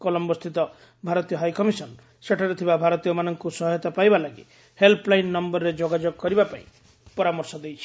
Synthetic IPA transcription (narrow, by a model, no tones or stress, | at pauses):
kɔlɔmbɔst̪ʰit̪ɔ | bʱaɾɔt̪ijɔɦajkɔmisɔn | seʈʰaɾɔt̪ʰibabʱaɾɔt̪ijɔmanɔŋkusɔɦɔjɔt̪apajbalaɡḭ | helpʰlajnːɔmbɔɾɾed͡ʒoɡad͡ʒoɡɔkɔɾibapa̰ḭ̃ | pɔɾamɔɾsɔd̪ejt͡ʃʰi̥